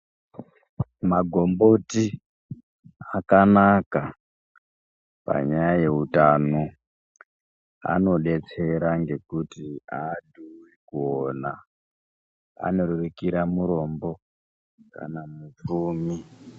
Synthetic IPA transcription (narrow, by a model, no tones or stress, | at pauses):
maɡʱo̞mbo̞ti | akanaka | pa̰ɲajaje̞utano | a̰no̞ɗe̞t͡se̞ɾaŋɡe̞kutiaduwikuona | a̰neɾurikiɾamuɾo̞mbo̞ | ka̰namup͡fuːmi